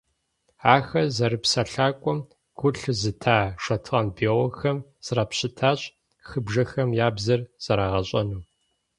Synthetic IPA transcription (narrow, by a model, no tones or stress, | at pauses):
aːxɐzɐɾɨpsɐɬaːkʷʼɔm | ɡ̥ʷʊɬzɨtʰaːʂɐtʰʁɐnbeːwɔxɐmz̥rapɕɪtʰaːɕʼ | xɨbʒɐxɐmjaːbzɐrz̥ɐɾaːʁɐɕʼɐnuː